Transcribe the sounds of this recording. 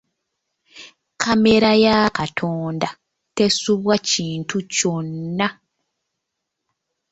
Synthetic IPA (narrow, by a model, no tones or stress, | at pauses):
kʰame̞ɾajakatʰoːnda | te̞suβwaciːntʰuconːa